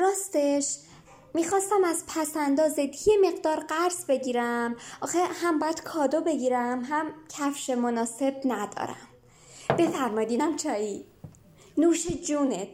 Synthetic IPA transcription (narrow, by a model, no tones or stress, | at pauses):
ɾɒːst̪eʃ | miːxɒːst̪æmæzpʰæsænd̪ɒːzet̪ʰje̞me̞ɣd̪ɒːɾɢæɾzbe̞ɟiːɾæmʔɒːxehæmbɒːjæd̪̥kʰɒːd̪obe̞ɡiːɾæmɦæmcʰæfʃe̞monɒːse̞bnæd̪ɒ̰ːɾæ̰m | b̥e̞fæɾmɒjid̪inæmt͡ʃʰɒːi | nuːʃed͡ʒuːnet̪